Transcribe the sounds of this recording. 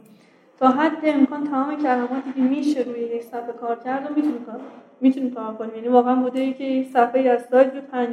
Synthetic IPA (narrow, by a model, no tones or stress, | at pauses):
t̪ʰɒːɦæd̪ːeːmkʰɒːnt̪ʰæmɒːmecʰælæmɒːt̪ʰiːcʰe̞miːʃe̞ɾuːjeje̞cʰsæfbekʰɒːɾcʰæɾd̪omi | miːt̪ʰuniːmkʰɒːɾkʰonimjæːniːvɒːɣeænbud̪eicʰejecsæfeiːæzsɒːj̪̚buːd̪̚pʰæn